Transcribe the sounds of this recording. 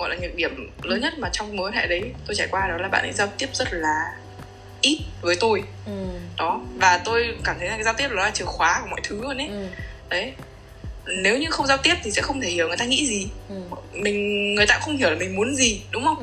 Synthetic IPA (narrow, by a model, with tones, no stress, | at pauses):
ɣɔ̰˧˨jlaː˨˩ɨ̰˨˦k̚ɗi˧˩əmləː˨˦nɲə˦˥t̚maː˨˩t͡ɕɔ˧wŋ͡mmo˨˦nhɛ̰ː˧˨jɗə˨˦jt̪o˧jt͡ɕaː˧˩jkwaː˧ɗɔ˨˦laː˨˩ɓ̰ːnʔɛ̰ː˧˦zaː˧wt̪i˦˥əp̚zə˦˥t̚laː˨˩ | ʔi˦˥t̚vəː˨˦jt̪o˧j | ɗɔ˨˦vaː˨˩t̪o˧jkaː˧˩mt̪ʰə˨˦jna˨˩a˨˦jzaː˧wt̪i˦˥əp̚lɔ˨˦a˧t͡ɕɨ˨˩əxwaː˨˦kmɔ̰˧˨jt̪ʰɨ˨˦əː˧nʔe˦ɗə˨˦j | ne˨˦wɲɨ˧xə˧wŋ͡mzaː˧wt̪i˦˥əp̚t̪i˨˩sɛ̰˧˥xə˧wŋ͡mt̪ʰe˧˩hi˧˩əwŋ˨˩ə˩t̪aː˧ŋḭ˧˥zi˨˩ | mï˨˩ŋ̟ŋɨ˨˩əjt̪aː˧xə˧wŋ͡mhi˧˩la˨˩mï˨˩ŋ̟mu˨˦ənzi˨˩ɗʊ˨˦ŋ͡mhə˧wŋ͡m